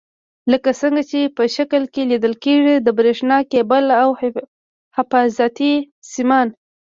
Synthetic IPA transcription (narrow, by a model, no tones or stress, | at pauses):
ləkasəŋɡat͡ʃepəʃakəlkelid̪əlkeʐid̪əbɾeʂnɑkebalaw | hɪfɑzat̪i | simɑn